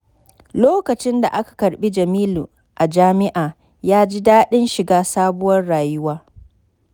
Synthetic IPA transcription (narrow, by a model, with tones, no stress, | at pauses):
loː˦kɐ˨t͡ʃɪ˦nda̰˨ʔa˦kḁ˨kɐ˨ɽɓi˦d͡ʒɐ˨miː˦lu˨ | ʔa˨d͡ʒaː˦mɪ˦ʔaː˨ | jaː˦d͡ʒi˦daː˦ɗɪ˦nʃɪ˨ɡaː˦saː˦bʊ˦wɐ˦rɽaː˨jʊ˦waː˦